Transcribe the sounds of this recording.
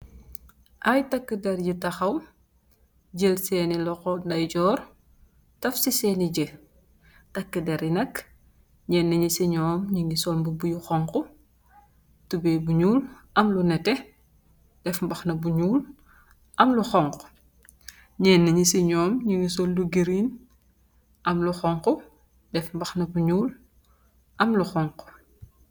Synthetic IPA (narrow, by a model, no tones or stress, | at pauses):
ʔɐjtɐkːədɛɾjitɐxɐw | ɟelsɛːnilɔxɔndɐjɟɔːr | tɐfsisɛːniɟe | tɐkːədɛɾjinɐk | ɲɛːnːɐɲisiɲɔːmɲiŋɡisɔlmbubujuxɔŋku | tubɛːbuɲuːlʔɐmlunɛtɛ | d̥ɛfmbɐxnɐbuɲuːl | ʔɐmluxɔŋk | ɲɛːnːɐɲisiɲɔːmɲiŋɡis̬olduɡiɾiːn | ʔɐmluxɔŋku | dɛfmbɐxnɐbuɲuːl | ʔɐmluxɔŋku̥